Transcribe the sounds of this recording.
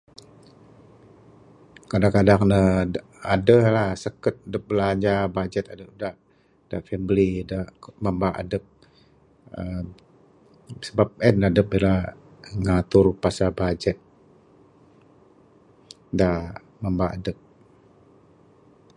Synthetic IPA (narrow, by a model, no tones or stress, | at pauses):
kadaŋkadaŋnə | adəlahsəkət̪̚adəp̚bəlaɲd͡ʒabad͡ʒɛt̪adəp̚da | d̥afɛmblidamambaʔa̰dəp̚ | ə | səbap̚ɛnadəp̚bila | ŋat̪ʊrpasabad͡ʒɛt̪̚ | da | mambaa̰dəp̚